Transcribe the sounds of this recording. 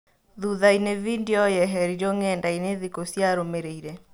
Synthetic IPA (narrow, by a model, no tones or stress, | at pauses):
ðuðainevindjɔjɛɦɛɾid͡ʒoŋɛndaineðikosjaɾomeɾeiɾe